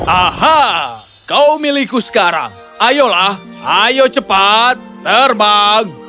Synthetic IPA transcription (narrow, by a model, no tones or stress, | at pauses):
ʔaha | kawmilikusə̥kaɾa̰ŋ | ʔajolah | ʔajot͡ʃəpat̪ːərbaŋ